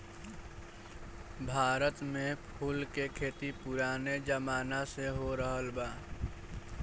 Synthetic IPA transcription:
bʱaːɾət̪mẽpʰuːlkekʰeːt̪ipʊɾaːned͡ʒəmaːnaseɦoɾəɦəlbaː

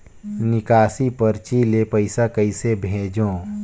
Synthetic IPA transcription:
nɪkaːsipəɾt͡ʃiːlepəɪsakəisebʱeːd͡ʒõː

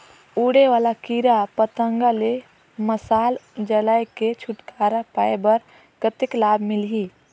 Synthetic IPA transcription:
uːɽeʋaːlakiɾapət̪ə̃ŋɡale | məsaːld͡ʒəlajket͡ʃʰʊʈkaːɾapaːebəɾ | ɡ̥ət̪ɪklaːbmɪliː

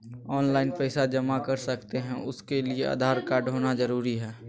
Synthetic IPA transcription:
ɔːnlaːɪnpɛɪsad͡ʒɐmakɐɾsɐkt̪eɦɛ̃ʊskeliea̰d̪ʱaːɾkaɖʱoːnad͡ʒəɾuːɾiɦɛː

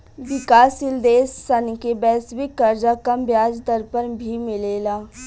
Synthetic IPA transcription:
ʋɪkaːsɪld̪eːsːənkebɛːswɪkːɐɾd͡ʒakɐmbjaːd͡ʒd̪əɾpəɾbʱimɪleːlaː

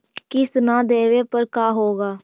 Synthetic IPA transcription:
kɪsnaːd̪eːʋeːpəɾkaːɦoːɡaː

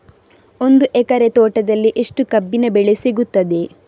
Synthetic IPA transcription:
o̞nd̪uʔekɐɾet̪ɔːʈɐd̪ɐlːiʔeʂʈukɐbːinɐbeɭesiɡut̪ːɐd̪e̞

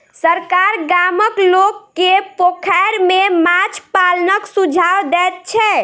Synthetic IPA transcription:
səɾkaɾɡaməklokːepokʰajɾmemat͡ʃʰpalnəksud͡ʒʱawd̪ɛt̪̚t͡ʃʰɛ

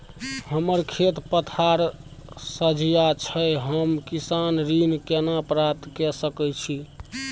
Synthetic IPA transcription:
həməɾkʰet̪pət̪ʰaɾ | səd͡ʒijat͡ʃʰəjɦəmkisanɾinkenapɾap̚t̪kɛsəkɛt͡ʃʰi

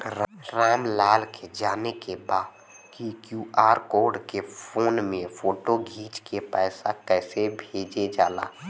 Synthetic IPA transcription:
ɾaːmlaːlked͡ʒaːnekebaːd̪ | kikjuːaːɾkoːɾɖkefʰoːnmẽfʰoːʈoɡʱiːt͡ʃkepɛːsakɛːsebʱeːd͡ʒed͡ʒaːla̰ː

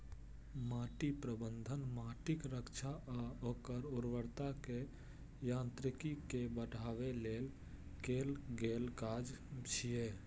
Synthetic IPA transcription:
maːʈipɾəbənd̪ʱənmaːʈɪkɾəkt͡ʃʰaoːkəɾʊɾwəɾt̪ake | jãːnt̪ɾɪkikebəʈaːweleːl | keːlɡeːlkaːd͡ʒt͡ʃʰie

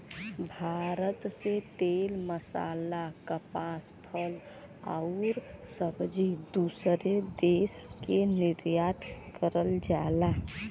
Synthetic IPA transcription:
bʱaɾət̪set̪elməsa̰lakəpaspʰəl | a̰ʊɾsəbd͡ʒid̪usɾed̪eskeniɾjat̪kəɾəld͡ʒala

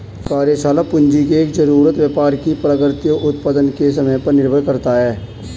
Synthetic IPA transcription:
kaːɾjesaːlapʊ̃nd͡ʒikeːkzəɾuːɾət̪wjəpaːɾkipɾaɡəɾt̪ijoʔʊt̪̚pad̪ənkesəməjpəɾnɪɾbʱəlkəɾt̪aɦɛː

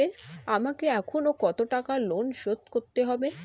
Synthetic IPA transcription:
eamakeɛkʰonokɔt̪oʈakalonʃot̪koɾt̪eɦɔbe

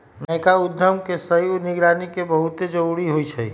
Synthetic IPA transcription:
nəkaʊd̪ʱːəmkesəjunɪɡɾaːnikebəɦut̪ed͡ʒəɾuɾiɦoit͡ʃʰəi

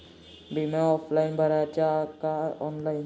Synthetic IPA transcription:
bʱimẽɔːpʰlaːɪnbʱəɾajt͡ʃakaɔːnlaːɪn

